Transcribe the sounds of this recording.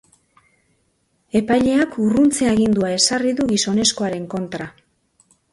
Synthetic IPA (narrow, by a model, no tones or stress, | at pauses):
e̞pajʎe̞akurunt͡se̞aɣind̪uae̞sariðuɣiso̞ne̞sko̞aɾe̞ŋko̞nt̪ɾa